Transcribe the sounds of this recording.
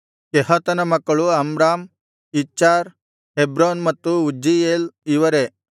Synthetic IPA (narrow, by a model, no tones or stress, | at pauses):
keɦɐt̪ɐnɐmɐkːɐɭuɐmɾaːm | it͡ʃaɾ | ɦebɾonmɐt̪ːuud͡ʒijeliʋɐɾe